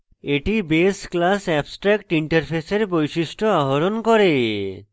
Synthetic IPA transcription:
eʈibesklasɛbsʈɾɛkʈiɳʈeɾpʰeseɾbojsiʃʈoaɦoɾonkɔɾe

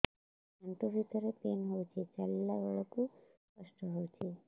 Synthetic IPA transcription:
aɳʈobʱit̪əɾepenɦowt͡ʃʰet͡ʃɛlːaʋəɭɔkũskəʃʈɔɦot͡ʃʰe

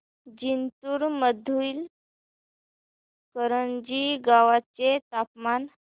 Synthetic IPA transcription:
d͡ʑint̪uːɾməd̪ʱuil | kəɾəɳd͡ʑiɡaʋat͡ɕet̪apman

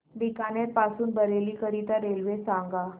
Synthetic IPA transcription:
bikaneɾpasuːnbəɾeliːkəɾit̪aɾelʋesãŋɡa

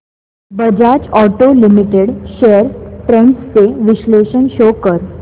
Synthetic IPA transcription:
bəd͡ʑat͡ɕɔʈolimiʈeɽɕeəɾpɾẽɳʈst͡seʋiɕleɕənɕokəɾ

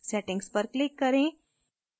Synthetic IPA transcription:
sɛʈɪ̃ŋɡspəɾklɪkːɐɾẽ

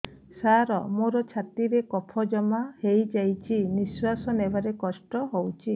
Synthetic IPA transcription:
saɾɔmoɾɔt͡ʃʰat̪iɾekɔpʰɔd͡ʒɔmahejd͡ʒajt͡ʃʰiniswasɔnebaɾekɔsʈɔɦowt͡ʃʰi

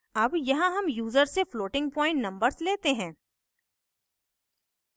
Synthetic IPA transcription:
ɐbjɐɦãɦɐmjuːzəɾsːefloːʈɪ̃ŋɡ̚pɔ̃ːɪ̃ɳʈnɐ̃mbəɾsleːt̪eɦɛ̃ː

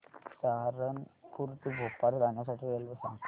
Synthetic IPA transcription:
saɾənkuɾt̪ibʱopːaɾd̪anjas̬aʈʰielbəsa̰

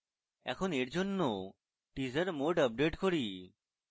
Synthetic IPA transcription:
ɛ̰kʰoneɾd͡ʑonːo | ʈizəɾmoɖəp̚ɖeʈkoɾi

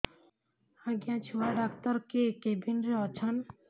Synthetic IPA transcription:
aɡjãt͡ʃʰuwaɖakt̪ɔɾkekebinɾeɔt͡ʃʰan

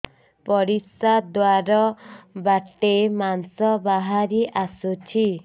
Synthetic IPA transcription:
pɔɾisad̪waɾɔbaʈːemansɔbaɦaɾiʔasut͡ʃʰi

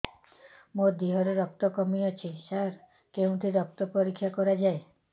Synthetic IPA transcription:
mod̪iɦɔɾeɾɔk̚t̪ɔkɔmiɔt͡ʃʰisaɾ | keũʈ̪ʰiɾɔk̚t̪ɔpɔɾikʰːjakɔɾad͡ʒae

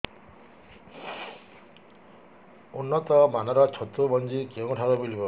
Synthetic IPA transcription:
unːɔt̪ɔmanɔɾɔt͡ʃʰot̪ɾubɔnd͡ʒikewũʈʰaɾɔmilibɔ

